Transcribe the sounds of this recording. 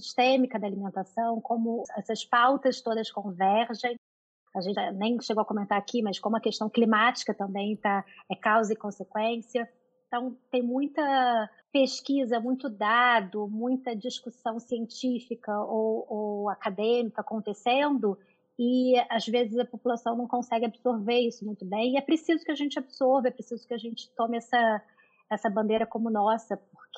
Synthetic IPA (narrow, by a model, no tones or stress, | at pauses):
siʃt̪ẽmikɐd̪ɐalimẽnt̪asɐ̃w̃kõmʊɛsɐspawt̪ɐst̪od̪ɐskõvɛɾʒẽj̃ | aʒẽnt͡ʃanẽj̃ʃeɡowɐkõmẽnt̪aɾakimɐskõmʊɐkeʃt̪ɐ̃w̃klimat͡ʃi̥kɐt̪ɐ̃mbẽj̃t̪aɛkawzɐɪkõsekwẽsiɐ̃ | t̪ɐ̃w̃t̪ẽj̃mũj̃t̪ɐ | peʃkizɐmũj̃t̪ʊd̪ad̪ʊmũj̃t̪ɐd͡ʒiʃkusɐ̃w̃siẽnt͡ʃifikɐowowakad̪ẽmikɐːkõnt̪esẽnd̪ʊ | ɪazvezɪzɐpopulasɐ̃w̃nɐ̃w̃kõsɛɡɪabɪsoɾveɾisʊmũj̃t̪ʊbẽj̃ɪɛpɾesizʊkɪaʒẽnt͡ʃɪabɪsoɾvɐɛpɾesizʊkɪaʒẽnt͡ʃɪ̥t̪õmɪɛsɐ | ɛsɐbɐ̃nd̪eɾɐkõmʊnɔsɐp̚ʊɾk